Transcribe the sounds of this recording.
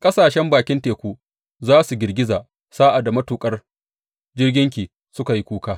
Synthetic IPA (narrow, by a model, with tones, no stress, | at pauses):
kʼɐ˦saː˨ʃɛ˦mbaː˨kʲɪ˦nteː˨kʷuː˦ | zaː˦su˨ɡʲɪ˨rɡʲɪ˦zaː˨ | saː˦ʔa˨da˨mɐ˦tuː˨kʼɐ˦r | d͡ʒɪ˦rɡʲɪ˦ŋk̬ʲiː˨ | sʊ˦ka˨ji˦kʷuː˦kaː˦